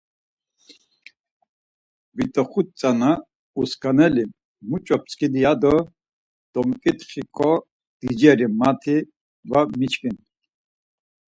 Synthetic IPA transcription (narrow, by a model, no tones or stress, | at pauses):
vit̪ʼɔχut̪t͡sʼana | uskʰʼanɛli | mut͡ʃʼɔp̚t͡sʰʼkid̪ijad̪ɔ | d̪̥ɔmkʼit̪χikʰɔ | d̪̥id͡ʒɛɾimat̪ʰi | vamit͡ʃʰkin